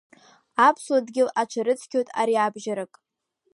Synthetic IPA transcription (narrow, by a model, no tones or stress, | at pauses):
apʰswadɡʲɪlat͡ʃʷʰaɾɨt͡sʰkʲʰotʼa̰ɾiabʒaɾɨkʼ